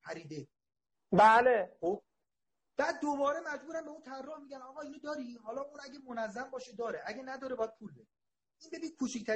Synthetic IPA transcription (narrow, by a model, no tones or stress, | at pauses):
pʰæɾiːd̪e | bæːlexob̥̚ | b̥æːd̪̚ːobɒːɾemæd͡ʒbuːɾæmbe̞unt̪ʰærːɔhmiːɟænɒːɣɒːinud̪ɒːɾiɦɒːlɒːuːnæɟʲemonæzːæmbɒːʃed̪ɒːɾeʔæɡɟenæd̪ɒːɾebɒːjæd̪̚pʰuːlbeɾe | iːnbe̞biːnkʰuːt͡ʃʰict̪ʰæ